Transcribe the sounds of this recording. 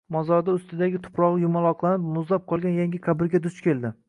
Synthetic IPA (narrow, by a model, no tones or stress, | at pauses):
mɒzɒɾd̪aʊst̪ɪd̪aɡʲɪt̪ʰʊ̥pʰɾɒʁɨjʊmalˠɒqlˠanɪpmʊzlap̚qʰɒlˠɡʲanjaŋɡʲɪkʰabɪɾɡʲad̪ʊt͡ʃkʲe̞lˠd̪ɪ